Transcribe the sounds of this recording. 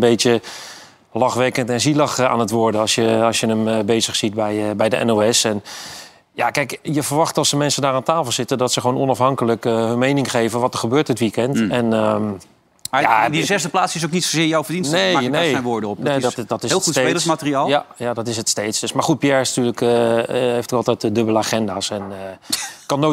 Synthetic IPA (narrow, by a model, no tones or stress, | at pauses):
bejtə | lɑxʋɛkəntɛnzilɑxa̰ːnətʋoːɹdəɑsjəɑsjənəməbejzəχsit̚bɛjəbɛjdəʔɛ̰nowɛsɛn | jakɛjkjəvərʋɑχtɑlˠsəmɛnsəndaːraːntaːfəl̩ˠsɪtədɔtsəxəʋoːnɔnɑfɦɑŋkələkɦɵnmejnɪŋχejvənʋɔtərχəbøːɹtdətʋikɛntɛnə | madizɛzdəplaːtsɪs̬owknitsozɪːɹjawfəɹdinnneanejɛnʋʊːɹdəɔpnedtdɔtɪslˠeelsmatəriaːlˠjajadɔtɪs̬ətstejtsd̥øsmaɹχut̚piɛɹɪsnatyːləkəɦejftəkɑlˠtɛjtədɵbələaːχɛndaːsɛn | kɑnːo